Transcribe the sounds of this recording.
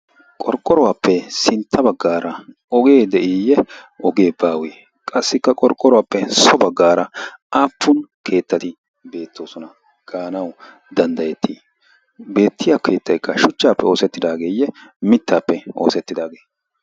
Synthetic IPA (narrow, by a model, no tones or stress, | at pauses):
kʼɔɾkʼɔɾɔwaːpːɛsɪnt̪ʰːɐbɐɡːaːɾɐ | ɔɡe̞ːd̪ɛʔɪjɛɔɡe̞ːbaːweː | kʼɐsːɪkːɐkʼɔɾkʼːɔɾɔwaːpːɛsɔbɐɡːaːɾɐaːpːʊn | kʰe̞ːt̪ːɐt̪ɪ | be̞ːt̪ʰːo̞ːsɔnɐ | ɡ̥aːnɐw | d̪ɐnd̪ɐjɛt̪ʰːiː | be̞ːt̪ːɪjake̞ːt̪ːɐjkːɐʃʊt͡ʃːaːpːɛo̞ːsɛt̪ːɪd̪aːɡeːjːɛmɪt̪ːaːpːɛo̞̰ːsɛt̪ːɪd̪aːɡe̞ː